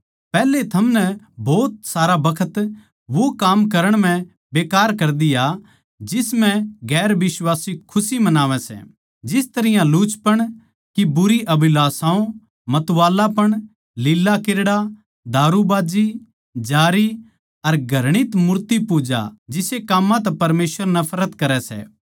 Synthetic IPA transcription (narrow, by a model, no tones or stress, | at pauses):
pɛːlet̪ʰɐmnɛ | bɔːt̪saːɾabɐkʰət̪ | ʋokaːmkɐɾəɽ̃m̤ɛ̃ | beːkaːɾkɐɾd̪ija | d͡ʒɪsmɛ̃ɡɛːɾʋɪswaːsikʰʊsimɐnaːʋɛ̃sɛ̰ | d͡ʒɪst̪ɐɾɪjãluːt͡ʃpɐɽ̃ | kibʊɾiʔɐbɪlaːsãːõ | mɐt̪ʋaːlapɐɽ̃ | lɪlːakɪɾɽa | d̪ʱaːɾubaːd͡ʒi | d͡ʒaːɾi | ɐɾɡʱɐɾɽ̃ɪt̪mʊɾt̪ipuːd͡ʒa̰d͡ʒɪsekaːmːãt̪ɛpɐɾmeːsʋəɾnɐpʰɾət̪kɐɾɛsɛ̰ː